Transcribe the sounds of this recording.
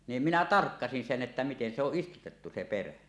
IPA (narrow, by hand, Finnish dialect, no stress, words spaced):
nim minæ tɑrkːɑsin sen ʔetːæ miten se oʔ ʔistutetːu se peræ